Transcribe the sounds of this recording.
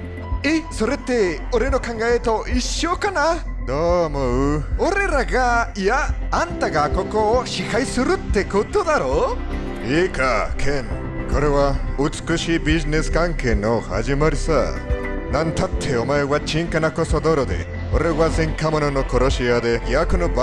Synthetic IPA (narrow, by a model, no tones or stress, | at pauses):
esoɾet̪eoɾe̞nokãŋɡaet̪oiɕjokana | d̪omɯɯoɾe̞ɾaɡaijaːnt̪aɡakoŋkoɕihaisɯɾɯt̪ːekɯt̪od̪aɾo | ekʰakʰen | kʰoɾewaut͡skɯʃibizineskaŋkʰenoha̰d͡ʒimaɾisa̰ | nant̪ʰat̪ʰːeomaewat͡ʃiŋkanakosod̪oɾod̪ḛ | oɾewazeŋkʰamɯnɯnokʰoɾoɕiad̪eiakɯnɯb